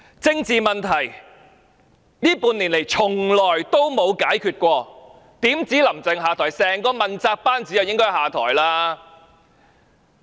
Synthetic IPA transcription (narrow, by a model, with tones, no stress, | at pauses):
t͡sɪ˧ŋt͡siː˨mɐ˨nt̪ʰɐ˨˩j | niː˥puː˧nliː˨˩nle˨˩jt͡sʰʊ˨˩ŋlɔː˨˩jt̪o˥wmo˨˧wkaː˨˥jkʰyː˧t̚kʷɔː˧ | t̪iː˨˥mt͡siː˨˥lɐ˨˩mt͡sɪ˨ŋɦaː˨t̪ʰɔː˨˩jsɛː˨˩ŋkɔː˧mɐ˨nt͡saː˧k̚paː˥nt͡si˨˥jɐ˨wjɪ˥ŋkɔː˥jhaː˨˩t̪ʰɔ̰ː˨˩jlaː˥